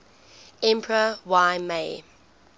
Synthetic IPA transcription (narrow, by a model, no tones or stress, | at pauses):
ɛ̃mpʰɹəwaɪmeː